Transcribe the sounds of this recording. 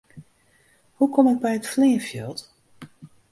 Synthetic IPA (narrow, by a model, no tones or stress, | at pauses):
hukɔmɪk̚bɛjətfleːfjølˠt